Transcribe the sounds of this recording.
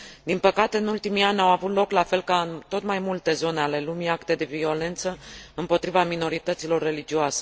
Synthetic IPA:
d̪inpəkat̪e̞ɨnult̪imianʲawavut̪lo̞klafe̞lkaɨnt̪o̞t̪majmult̪e̞zo̞ne̞ale̞lumiakt̪e̞d̪e̞vio̞le̞nt̪səɨmpo̞t̪ɾivamino̞ɾit̪ət̪silo̞rːe̞lid͡ʒioase

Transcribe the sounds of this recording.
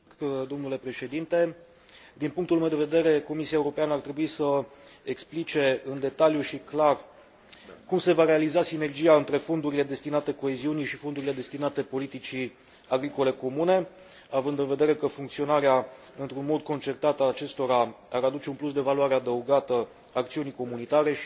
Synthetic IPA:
d̪omnule̞pɾe̞ʃe̞d̪int̪e̞ | d̪inpuŋkt̪ulumewd̪e̞ve̞d̪e̞ɾe̞ko̞misiaeuɾo̞peanəart̪ɾe̞buisəeksplit͡ʃe̞ɨnd̪e̞t̪aljuʃiklar | kumse̞vaɾe̞alizasine̞rd͡ʒijaɨnt̪ɾe̞fo̞nd̪uɾile̞d̪e̞st̪inat̪e̞ko̞e̞ziunijʃifod̪uɾile̞d̪e̞st̪inat̪e̞po̞lit̪it͡ʃi | aɡɾiko̞le̞ko̞mune̞ | avɨnd̪ɨnve̞d̪e̞ɾe̞kəfuŋkt̪sio̞naɾea | ɨnt̪ɾunmo̞d̪̚ko̞nt͡ʃe̞rt̪at̪əaːt͡ʃe̞st̪o̞ɾa | aɾad̪ut͡ʃe̞unplusd̪e̞valuaɾe̞ad̪əuɡat̪ə | ak̚t̪siuniko̞munit̪aɾe̞

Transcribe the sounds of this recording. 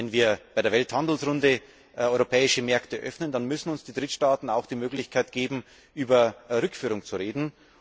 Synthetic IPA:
ɛnviːɐb̥aɪdeːɐvɛlthandl̩sʁʊndə | ɔʏʁopʰɛːɪʃəmɛɐktəʔœfnəndanmʏsn̩ʊnsd̥iːd̥ʁɪtʃtaːtn̩aʊxd̥iːmøːklɪçkʰaɪtɡ̥eːbm̩ | ʔyːbɐʁʏkfyːʁʊŋt͡suʁeːdn̩

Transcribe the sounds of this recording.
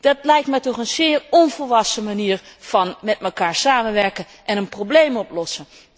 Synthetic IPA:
d̥ɑt̚lɛjk̚tmɛjtɔχənz̥ɪːɹɔnvəlʋɑsəmaniːɹv̥ɑnmɛtməkaːɹsaːmənʋɛɹkən | ʔɛnənprowblejmɔplɔsən

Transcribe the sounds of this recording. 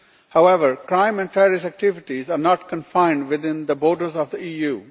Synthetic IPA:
haʊɛʋəɾkɾãɪ̃mɛ̃ɳʈɛɾɪsæk̚ʈɪʋɪʈizaːɾnɔːʈkə̃nfãɪ̃ɳɖʋɪd̪ɪ̃nd̪əbɔːɾɖəɾzɔvd̪əiːjuː

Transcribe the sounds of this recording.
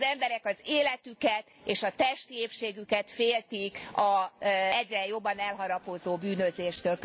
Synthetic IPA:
zɛmbɛɾɛkɒzeːlɛt̪ykɛt̪eːʃɒt̪ɛʃt̪ieːpʃeːɡykɛt̪feːlt̪ikɒɛɟrɛjo̞bːɒnɛlɦɒɾɒpo̞zoːbyːnø̞zeːʃt̪ølk

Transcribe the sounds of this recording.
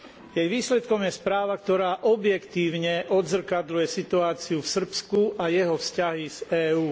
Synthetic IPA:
jɛjʋiːslɛt̪kɔmjɛspɾaːʋakt̪ɔɾaːʔɔbjɛkt̪iːʊɲɛʔɔd̪zr̩kad̪lujɛsit̪uaːt͡siufsr̩pskuʔajɛɦɔfscaɦiz̥ɛːuː

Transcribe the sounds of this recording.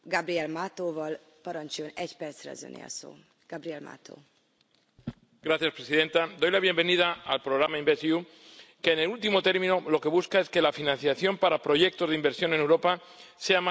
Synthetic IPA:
ɡabɾiɛlmat̪oːvɒl | pɒɾɒnt͡ʃujonɛɟpɛrt̪sɾɛ̰ɒ̰zø̰nḛɒ̰so̰ː | ɡ̥abɾiɛlma̰t̪o̰ː | ɡ̥ɾaθjaspɾe̞siðe̞nt̪ad̪o̞jlaβ̞je̞mbe̞nið̞aːlpɾo̞ɣɾamaimbeθju | ke̞ːnelult̪imo̞t̪e̞ɾmĩno̞lo̞ke̞βuskae̞ske̞lafinãnθjaθjo̞mpaɾapɾo̞ʝe̞k̚t̪o̞zimbe̞ɾsjo̞ne̞newɾo̞pa | se̞am

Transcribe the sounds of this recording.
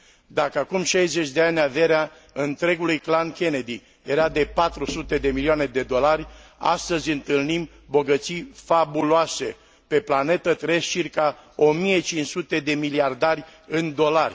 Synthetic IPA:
d̪akəakumʃajze̞t͡ʃʲd̪e̞anʲave̞ɾea | ɨnt̪ɾe̞ɡulujklankʲe̞ned̪i | je̞ɾad̪e̞pat̪ɾusut̪e̞d̪e̞milioane̞d̪e̞d̪o̞larʲa̰st̪əzʲɨnt̪ɨlnim | bo̞ɡət̪sijfabuloase̞ | pe̞plane̞t̪ət̪ɾe̞zt͡ʃirkao̞mije̞t͡ʃint͡ʃsut̪e̞d̪e̞miliard̪arʲɨnd̪o̞larʲ

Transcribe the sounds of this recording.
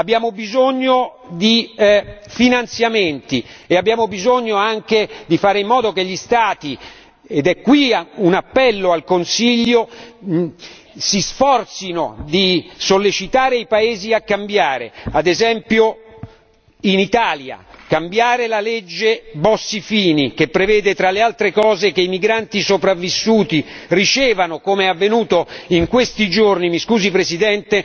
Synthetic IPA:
abːjaːmobizoɲːo | d̪i | finant̪sjament̪ieabjaːmobizoɲːoaŋk̟ed̪ifaːɾeimːɔːd̪ok̟eʎːist̪aːt̪i | ed̪ɛkːwiunapːɛlːoalkonsiʎːo | sisfɔrt̪sino̰d̪isolːet͡ʃit̪aːɾeipaeːziakːambjaːɾead̪ezɛmpjo | init̪aːlja̰kambjaːɾelaled͡ʒːebɔsːifiːnikepːɾevɛːd̪et̪ɾalealt̪ɾekɔːzek̟eimiɡɾant̪isopɾavːisːuːt̪irit͡ʃɛːvanokomeɛavːenuːt̪oiŋkwest̪id͡ʒornimiskuːzipɾezid̪ɛnt̪e

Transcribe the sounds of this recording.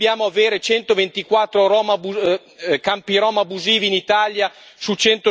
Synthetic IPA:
jaːmoaveːɾet͡ʃɛnt̪ovent̪ikwat̪ːɾoɾɔːmabu | kampiɾɔːmabuziːviːnit̪aːlja | sut͡ʃɛnt̪o

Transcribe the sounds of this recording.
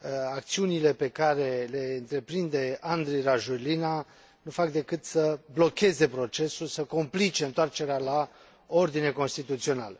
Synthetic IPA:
ak̚t̪siunile̞pe̞kaɾe̞le̞ɨnt̪ɾe̞pɾind̪e̞and̪ɾijɾaʒulina | nufakd̪e̞kɨt̪səblo̞kʲe̞ze̞pɾo̞t͡ʃe̞sulsəko̞mplit͡ʃe̞ɨnt̪oart͡ʃe̞ɾeala | o̞rd̪ine̞ko̞nst̪it̪ut̪sio̞na̰lə

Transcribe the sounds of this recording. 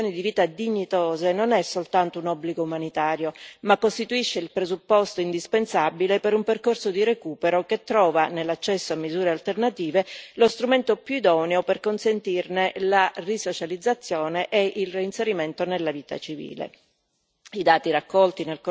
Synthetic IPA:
oːnid̪iviːt̪ad̪iɲːit̪oːzenonɛsːolt̪ant̪ounɔbːliɡoumanit̪aːɾjomakːost̪it̪uiʃːeilpɾezupːost̪oind̪ispensabilepeɾumperkorsod̪iɾekuːpeɾoket̪ːɾɔːvanelːat͡ʃːɛsːoamːizuːɾealt̪ernat̪iːvelost̪ɾument̪opjuid̪ɔːneoperkonsent̪irnelarisot͡ʃalid̪zːat̪sːjoːneʔeʔilriinseɾiment̪onelːaviːt̪a̰t͡ʃivḭːlḛ | id̪aːt̪iɾakːɔlt̪inelk

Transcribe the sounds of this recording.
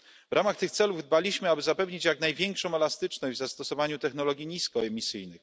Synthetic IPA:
vɾamaxt̪ɘxt̪sɛluvd̪̚balʲiɕmɘabɘzapɛvɲit͡ɕjaknajvʲjɛŋkʂɔ̃w̃ɛlast̪ɘt͡ʂnɔɲvzast̪ɔsɔvaɲut̪ɛxnɔlɔɡʲjiɲiskɔɛmʲisɘjnɘx

